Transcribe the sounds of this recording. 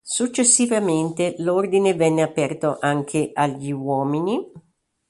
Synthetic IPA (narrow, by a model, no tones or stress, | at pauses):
sut͡ʃːesːivament̪elord̪inevɛnːeapɛrt̪oʔaŋk̟ʰeʔaʎiwɔːmini